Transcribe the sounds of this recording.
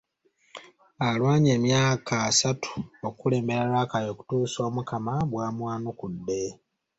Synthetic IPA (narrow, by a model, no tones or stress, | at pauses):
alwaːɲe̞ːmjaːkaːsatʰu̥okule̞ːmbe̞ɾaɾaːkajo̞ːku̥tuːso̞ːmukamaβwaːmwaːnukudːe̞